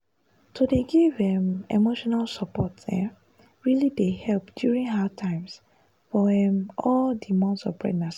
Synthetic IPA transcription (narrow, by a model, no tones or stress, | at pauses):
sodeɡivɛmḛmoʃɔnalsɔpɔtɛ̰̃ | ɹilidehɛlpd̥juɹĩŋɦaʊtʰãɪ̃ms | fɔɛmɔldimãntsɔvbɹɛ̰dnas